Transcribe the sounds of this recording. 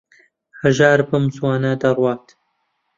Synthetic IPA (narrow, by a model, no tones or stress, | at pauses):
hɐʒaːɾbɐmswaːnad̪ɐrwɑːt̪